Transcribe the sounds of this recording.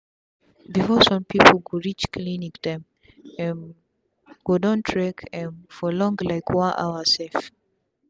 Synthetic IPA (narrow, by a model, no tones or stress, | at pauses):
bifɔsɔ̃mpʰipʰl̩ɡoɹit͡ʃkʰlinikd̥ɛ̃m | ɛ̃n | ɡ̥odɔ̃ntʰɹɛkʰɛ̃nfɔlɔ̃ŋɡlaɪkʰwãnʔa̰ʊəsɛlf